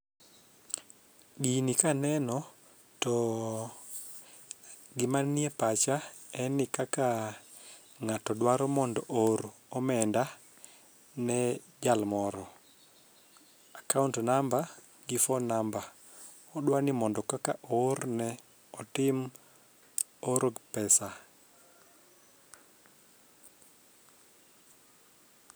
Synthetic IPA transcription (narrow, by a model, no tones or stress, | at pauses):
ɡinikanɛnɔ | tɔ | ɡɪmaniepat͡ʃaɛnɪkaka | ŋatɔdwaɾɔmɔndɔʔoɾɔmɛnda | nɛ | d͡ʒalmɔɾɔ | akauntnamba | ɡɪfɔnamba | ɔɗwanimɔndɔkakaʔoɾnɛ | ɔtɪm | oɾoɡpɛsa